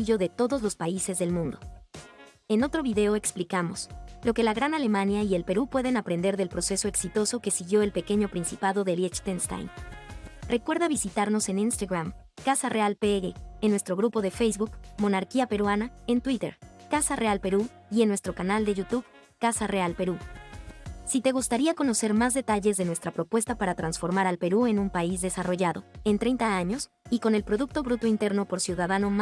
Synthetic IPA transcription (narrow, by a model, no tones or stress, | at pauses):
iʝo̞ðe̞t̪o̞ðo̞zlo̞spaise̞zðe̞lmũnd̪o̞ | e̞no̞t̪ɾo̞βiðe̞o̞e̞ksplikamo̞̰slo̞ke̞laɣɾanale̞mãnjaie̞lpe̞ɾupwe̞ð̞e̞napɾe̞nd̪e̞ɾðe̞lpɾo̞se̞so̞eksit̪o̞so̞ke̞siɣjo̞e̞lpe̞ke̞ɲo̞pɾinsipaðo̞ðeljet͡ʃt̪enst̪a̰jn | rʔe̞kwe̞ɾðaβisit̪aɾno̞se̞ninst̪aɣɾam | kasarʔealpeɣeːnwe̞st̪ɾo̞ɣɾupo̞ðe̞fejzβukːo̞naɾkiape̞ɾwanae̞nt̪wit̪e̞̰ɾkasarealpe̞ɾu | ienwe̞st̪ɾo̞kanald̪e̞ʝut̪uβ | kasare̞alpe̞ɾu | sit̪e̞ɣust̪aɾiakono̞se̞ɾmazðe̞t̪aʝe̞zðe̞nwest̪ɾapɾo̞pwe̞st̪apaɾat̪ɾansfo̞ɾmaɾalpe̞ɾue̞nũmpaizðe̞saro̞ʝaðo̞̰e̞nt̪ɾe̞jnt̪aaɲo̞s | iko̞ne̞lpɾo̞ðuk̚t̪o̞βɾut̪o̞int̪e̞ɾno̞po̞ɾsjuðaðano̞m